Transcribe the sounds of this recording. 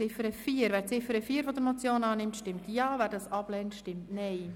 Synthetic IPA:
ɪfəɾəfiːəɾvɛːɾt͡sɪfəɾəfiːɾvɔdəɾmɔt͡sjoːnɑːnɪmtʃtɪmt̪jɑːvæːɾdɑsɑb̥lɛːntʃtɪmtnɛɪ

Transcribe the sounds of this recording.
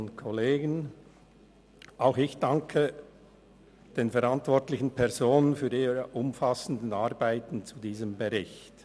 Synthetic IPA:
nkʰoleːɡən | ʔaʊxɪçd̥aŋkʰə | d̥eːnfɛʁantv̥ɔɐtlɪçn̩pʰɛʁzoːnənfyːɐiːɾəʔʊmfasən̩dən̩aɐʁbaɪtn̩t͡sudiːzəmbəʁɪçt

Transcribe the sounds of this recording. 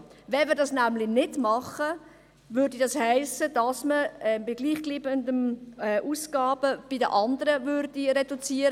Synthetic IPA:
vɛnʋɪːɾdɑsnæmlɪnɪdmɑχə | vʏɾdidɑshæɪsəd̥ɑsməɛmbɪɡliːχɡ̥liːbəndənɛʔuːsɡ̥ɑːb̥əb̥ɪdəʔɑndəɾəvʏrd̥iɾeɛdut͡siːəɾə

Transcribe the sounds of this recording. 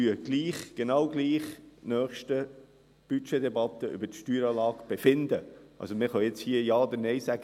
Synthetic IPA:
yəɡ̥liːχɡ̥enɑwɡliːχnœːχʃtə | b̥yt͡ʃed̪ɛbɑt̪əʔʏ̰bətʃtyːɾɑːlɑːɡb̥efɪnd̪əʔɑ̰lsomɪχɑjɪt͡shiːəjɑːɔd̪ənɛɪsæɡ̥ə

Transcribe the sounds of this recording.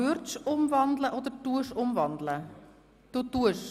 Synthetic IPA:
ørtsɔmvɑndləʔɔt̪ətuəsɔmvɑndələ | totuəs

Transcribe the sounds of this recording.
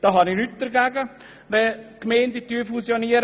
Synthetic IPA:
d̥ɑɦɑnɪnyt̚d̪̥əɾɡæːɡə | ʋɛkmɛɪndətyːfusjoniːəɾ

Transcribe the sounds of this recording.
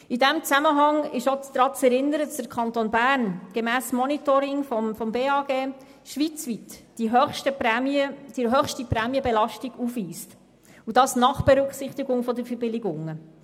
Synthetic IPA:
idɛmt͡sæməɦɑŋɪʃot͡sd̪̥ɾɑːt͡sɛɾɪnəɾədɑsd̥əɾkʰɑnt̪oːnbæːɾnɡ̥ɛmæːsmɔnitɔɾɪŋfɔfɔmbeːɑːɡeː | ʃʋit͡sʋitː | iɦœχʃtəɛməd̥iɦœχʃtipɾɛːmiəbɛlɑʃtiɡ̥ufʋiːst | udɑsnɑχb̥ɛɾʉksɪχt̪ɪɡʊŋfɔd̪əɾfəɾbɪlɪɡʊŋːə

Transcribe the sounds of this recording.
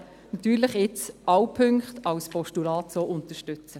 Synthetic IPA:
nɑt̪yːɾləχɪt͡sʔɑwpʰʏŋkχt̪ɑwspʰɔʃtulɑːtsoːʔʊnt̪əʃtʏt͡sə

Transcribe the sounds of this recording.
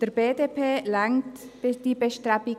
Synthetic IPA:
d̥ɛɾbeːdepʰeːlaŋtd̥iːbeʃtɾabi

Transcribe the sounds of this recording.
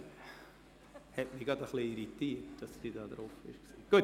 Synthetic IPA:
hɛtmiɡɑdəχliiɾitiːtd̥ɑsd̥idɑːdɾofɪ̰ʃksiːɡ̥uət

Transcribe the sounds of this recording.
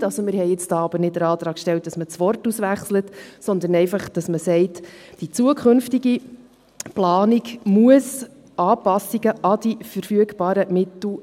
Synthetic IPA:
ɑlsɔmɪːɾhɛɪɪt͡sd̥ɑːɑbənɪtdəɾɑːt̪ɾɑːkʃtɛlt̚d̥ɑsmət͡sʋɔrtusʋæχslətsɔnd̪ənɛɪfɑχd̥ɑsməsɛɪtd̥it͡suəkχɵnftiɡi | plɑːnikmuəs | ɑːpɑsːiɡəʔɑd̥ifəɾfyəɡb̥ɑːɾəmɪt̪l̩

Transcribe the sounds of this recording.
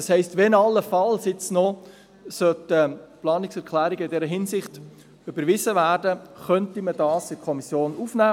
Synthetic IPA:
ɑshɛɪstʋɛnɑlːəfɑlsɪt͡snɔ | sœtəplɑːnɪksɛɾkʰlæːɾiɡəɪdɛɾəɦɪnsɪχt | ybəɾʋɪzəʋæːɾdəχœntimədɑːsɪkʰɔmisjoːnufnæː

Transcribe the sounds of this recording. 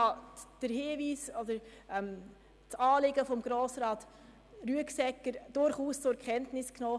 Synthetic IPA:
ɑd̥əɾhɪːviːsɔd̥əɾʔɛm | t͡sɑːlɪɡəfɔmɡ̥ɾoːsɾɑːt | ɾyəksɛkːəɾd̥ʊɾχuːst͡sʊɛɾkʰχɛntnɪsknɔː

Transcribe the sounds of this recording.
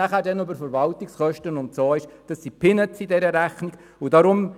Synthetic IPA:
æχæːɾdɛnøbəɾfəɾʋɑltɪksχœʃtənʊnt͡soːɪʃd̥ɑsːipʰɪnətt͡sidɛɾəɾæχnɪɡ | ʊdɑɾʊm

